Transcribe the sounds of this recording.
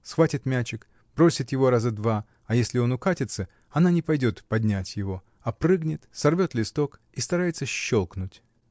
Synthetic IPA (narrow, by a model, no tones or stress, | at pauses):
sxvatʲɪt̪mʲæt͡ɕɪk | b̥ɾo̞sʲɪt̪jɪvo̞ɾazəd̪va | ɐjesʲlʲɪo̞nʊkatʲɪt̪sə | ɐnanʲɪpɐjdʲo̞t̪pɐd̪ʲnʲætʲjɪvo̞ | ɐpɾɨɡnʲɪt̪sɐrvʲo̞t̪lʲɪst̪o̞k | ist̪ɐɾajɪt̪səɕːolˠknʊtʲ